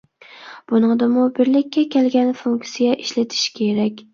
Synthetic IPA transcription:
b̥ʊnɨŋd̪ɪmʊbɪɾlɪkʲːɛkʲelɡʲanfuŋk̪sijaʔɪʃlɪt̪ʰɪ̥ʃkʲʰeɾakʲ

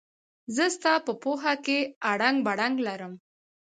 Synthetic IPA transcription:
zəst̪ɑpəpoɦakeaɽaŋɡbaɽaŋɡlaɾəm

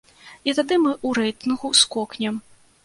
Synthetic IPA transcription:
it̪ad̪ɨmɨʔuɾɛjt̪ɨnɣuskɔknʲɛm

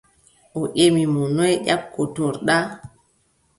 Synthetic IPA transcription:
ʔɔʔemimɔnɔjʄakːotoɾɗa

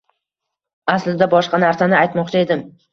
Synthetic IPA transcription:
aslɪd̪abɒʃqɑnaɾsanɪajt̪mɒqt͡ʃʰae̞d̪ɪm

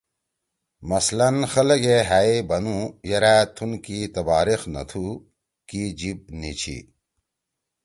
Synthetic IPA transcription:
mɐslɐnxɐlɐɡeɦaibɐnũjɐɾaːt̪ʰunkit̪ɐbaːɾixnɐ̰t̪ʰu | kid͡ʑib̚nit͡ɕʰḭ

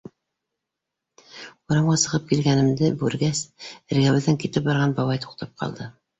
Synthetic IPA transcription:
uɾɑmʁɑsɤ̆ʁɤp̚kilɡænɘ̆md̪ɘbʉɾɡæsɘ̆ɾɡæwɘ̆ðːæŋkit̪ɘp̚bɑɾʁɑnbɑβɑjt̪u̥qt̪ʰɑp̚qʰɑ̰lˠd̪ɤ

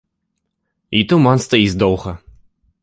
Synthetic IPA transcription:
it̪umanst̪ɐizʲd̪ɔwɣɐ

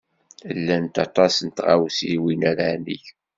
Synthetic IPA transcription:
lːænt̪ɑt̪ˤɑsənt̪ʁawsiwinæɾanḭç

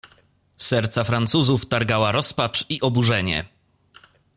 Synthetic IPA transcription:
sɛɾt̪safɾant̪suzuft̪aɾɡawaɾɔspat͡ʂiʔɔbuʐɛɲɛ̰

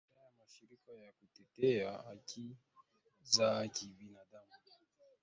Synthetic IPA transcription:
ajamaʃiɾikajakutɛtɛaaki | zakibinaɗamu

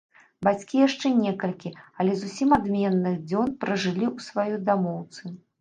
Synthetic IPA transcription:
bat͡sʲkʲijaʂt͡ʂɛnʲɛkɐlʲkʲiɐlʲɛzusʲimad̪mʲɛnːɨɣd͡zʲɔnpɾɐʐɨlʲiusvajud̪amɔwt̪sɨ

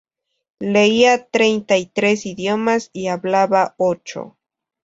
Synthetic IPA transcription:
leiat̪ɾejnt̪ait̪ɾesiðjomasiaβlaβaot͡ʃo̰

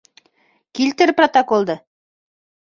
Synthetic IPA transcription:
kilt̪ɘɾprot̪okolˠd̪ɤ

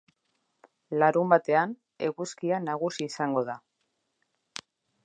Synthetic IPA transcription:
laɾumbat̪e̞an | e̞ɣuskianaɣ̞usiːsaŋɡo̞ða

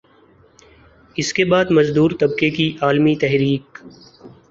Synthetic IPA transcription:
ɪskebaːd̪mɐzd̪uːɾt̪ɐbkekiʔaːlmit̪ɛɦɾiːk

